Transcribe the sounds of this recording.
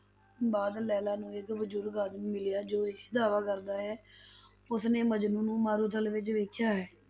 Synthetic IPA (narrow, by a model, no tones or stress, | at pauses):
baːd̪lɛːlaːnũːɪkbəd͡ʒuːɾɡaːd̪mmɪlɪjaːd͡ʒoːd̪aːʋaːkəɾd̪aːɦɛː | ʊsneːməd͡ʒnũːnũːmaːɾuːt̪ʰəlʋɪt͡ʃʋeːkʰjaːɦɛː